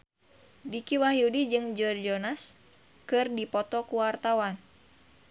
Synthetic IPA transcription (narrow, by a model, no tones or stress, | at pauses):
dikiwaɦiudid͡ʒɨŋd͡ʒɔrd͡ʒɔnas | kɨrdipɔt̪ɔkuwart̪awan